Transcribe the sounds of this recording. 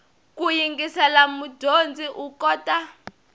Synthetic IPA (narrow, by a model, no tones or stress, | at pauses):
kujiŋɡisalamudʱond͡zʱiʔukɔːtʼa